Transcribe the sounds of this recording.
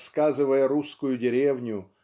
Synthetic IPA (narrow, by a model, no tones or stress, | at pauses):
skazɨvəjəɾuskʊjʊdʲɪɾʲevnʲʊ